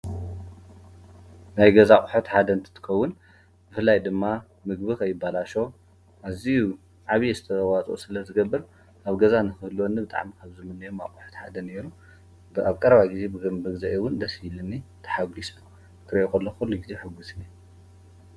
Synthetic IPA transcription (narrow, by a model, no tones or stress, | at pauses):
najɡɐzaχʼuħot̪ħad̪ɐnt̪ʰɨ̥t̪ʰɨ̥xɐwːʊn | b̥ɨfɨlːajd̪ɨmːa | mɨɡbɨkʰɐjːɪbːalaʃo̞ | ʔaziju | ʕaβjezɨt̪ʰɐɐwat͡sʼo̰sɨlɐzɨɡɐbːɨɾ | ʔaβɡɐzanɨxɨhlwonːibɨt̪ʼa̰ʕmikʰaβzɨmɨnːɐjomakʼuħo̥t̪ħad̪ɐneɾu | bɨaβkʼɐɾβaɡize̞bɨɡɨmbɨɡzaʔewʊnd̪ɐshilɨnːit̪ʰɐ̥ħaɡisu | t̪ʰɨɾɐʔokɐlːoxulːiɡizeħɨɡːusni